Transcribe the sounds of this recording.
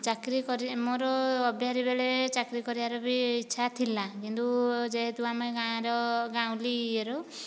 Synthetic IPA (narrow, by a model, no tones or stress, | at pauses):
t͡ʃakɾikɔɾimoɾɔːbʱjaɾibeɭet͡ʃakɾikɔɾibaɾɔbiːtːʃʰat̪ʰilakint̪ud͡ʒeɦet̪uameɡaɾɔɡaw̃lieɾo